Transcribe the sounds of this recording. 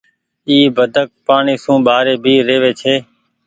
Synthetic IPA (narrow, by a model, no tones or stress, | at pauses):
iːbəd̪ʱək̚paːɳiːsũːɓaːɾeːbʱiːɾeːʋeːt͡ʃʰeː